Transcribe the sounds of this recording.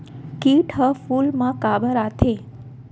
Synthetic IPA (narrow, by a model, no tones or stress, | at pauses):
kiʈʰɦəfulmãkabəɾat̪ʰe